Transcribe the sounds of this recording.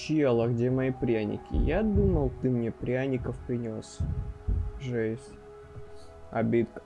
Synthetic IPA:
t͡ɕjelˠəɡdʲemɐipɾʲanʲɪ̰kʲɪ̰jad̪uməlˠt̪ɨmnʲepɾʲanʲɪkəfpɾʲɪnʲo̞s | ʐɛsʲ | ɐ̰bʲit̪k

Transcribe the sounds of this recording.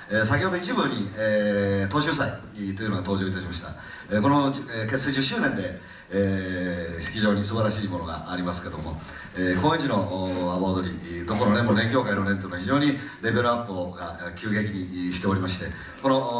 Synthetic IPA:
es̬akʲjo̞ːd̪o̞it͡ɕibɯ̟ɲ̟iet̪o̞ːɕɨːsai | t̪o̞iɯ̟noɡat̪o̞ːʑo̞ːit̪aɕimaɕi̥t̪a̰ | eko̞noke̞sed͡ʑɨɕɨːnẽ̞nd̪e̞ | e | çiʑo̞ːɲ̟isɨbaɾaɕiːmo̞no̞ɡa̰aɾʲimasɨ̥ke̞d̪o̞mo̞ | ekõːẽɲd͡ʑino̞aβad̪o̞ɾʲid̪oko̞nonemonẽ̞ŋkʲo̞ːkainonenoinoaçiʑo̞ːɲ̟i | ɾe̞ɡeɾɯapːɯoɡakʲɨːɡe̞kʲiɲ̟iɕi̥t̪e̞o̞ɾʲimaɕi̥t̪e̞ | ko̞no̞

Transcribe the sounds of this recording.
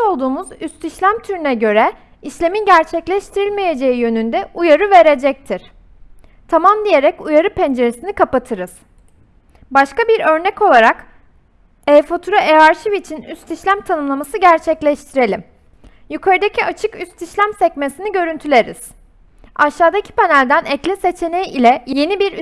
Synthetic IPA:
o̞lˠd̪uːmuzyst̪iʃlʲæmt̪ʰyɾynɛɟø̞ɾɛ | iʃlʲe̞minɟæɾt͡ʃʰɛclʲɛʃt̪ʰiɾilʲmeje̞d͡ʒe̞ijø̞nynd̪ɛujaɾɯve̞ɾe̞d͡ʒɛc̚t̪ʰiɾ̥ | t̪ʰamamd̪ije̞ɾɛcujaɾɯpʰɛnd͡ʒe̞ɾesinikapat̪ʰɯɾɯz̥ | baʃkabiɾø̞ɾnɛco̞lˠaɾak | ɛfot̪ʰuɾaʔevaɾʃivit͡ʃʰinyst̪iʃlʲæmt̪ʰanɯmlˠamasɯɟæɾt͡ʃʰɛclʲɛʃt̪ʰiɾe̞lʲim | jukʰaɾɯd̪ecʰiat͡ʃʰɯkyst̪iʃlʲæmsɛc̚mesiniɟø̞ɾynt̪ʰylʲe̞ɾḭz̥ | aʃːaːd̪acʰi̥panælʲd̪ænɛclʲɛse̞t͡ʃʰe̞nejilʲɛje̞nibiɾ

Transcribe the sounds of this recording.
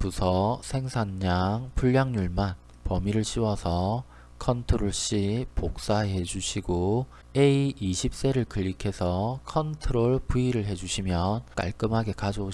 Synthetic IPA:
pusʰʌsʰe̞ŋsʰanɲaŋpuʎːaŋɲuɭman | pʌmiɾɯɭɕʰiwʌsʰʌ | kʰʌntʰoɾoɭɕ͈ipok̚s͈aeɦe̞d͡ʑuɕʰiɡo | eiiɕʰip̚s͈e̞ɾɯɭkɯʎːikʰe̞sʰʌkʰʌntʰɯɾoɭpuiɾɯɭɦe̞d͡ʑuɕʰimjʌnk͈a̰ɭk͈ɯmɦaɡe̞kad͡ʑʌo

